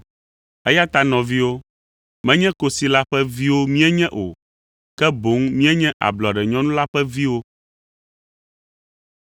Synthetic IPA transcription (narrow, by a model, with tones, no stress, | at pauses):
ɛ˦ja˦t̪a˦nɔ̃˨vi˦wo˦ | mɛ̃˦ɲɛ̃˦ko˦si˨la˦ɸɛ˦vi˦wo˦mĩ˦ɛ˦ɲɛ̃˦ʔo̰˨ | kɛ˦bo˨˦ŋmĩ˦ɛ˦ɲɛ̃˦ʔa̰˨blɔ˨a˨ɖɛ˨ɲɔ̃˦nũ˦la˦ɸɛ˦vi˦wo˦